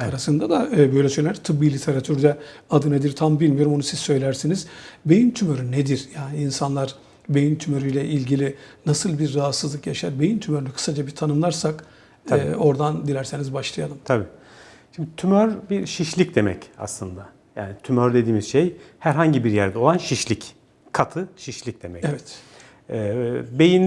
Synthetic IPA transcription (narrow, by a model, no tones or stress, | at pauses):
aɾasɯnd̪ad̪aːbøjlʲɛsølʲɛæɾt̪ʰɯbbilʲit̪ʰe̞ɾat̪ʰyɾd̪ɛad̪ɯned̪iɾt̪ʰambilʲmijo̞ɾumonusiz̥sø̞jlʲæɾsiniz̥be̞jint̪ʰymø̞ɾyned̪iɾjaːniinsanlˠaɾ | be̞jint̪ʰymø̞ɾyjlʲɛʔilʲɟilʲinasɯlˠbiɾːaɦat̪sɯzlˠɯkjaʃaɾbe̞jint̪ʰymøɾynykʰɯ̥sad͡ʒabit̪ʰanɯmlˠaɾsak̪ː | o̞ɾd̪and̪ilʲæɾse̞nizbaʃlˠajalˠɯmt̪ʰabiː | ʃimd̪it̪ʰymøɾbiɾʃiʃlʲic̚d̪e̞mɛ̰ca̰slˠɯnd̪a | ja̰ːnit̪ʰymøɾd̪e̞d̪iːmizʃejhæɾɦaɲɟibiɾjæɾd̪ɛo̞lˠanʃiʃlʲic | kʰat̪ʰɯʃiʃlʲic̚d̪̥emɛ̰evɛt̪ | ɛːbe̞jin